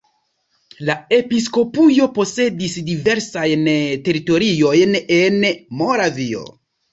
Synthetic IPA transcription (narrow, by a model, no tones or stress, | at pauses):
lae̞pis̬ko̞pujo̞po̞se̞disdive̞ɾsajnte̞ɾito̞ɾio̞jnenmo̞ɾavio̞̰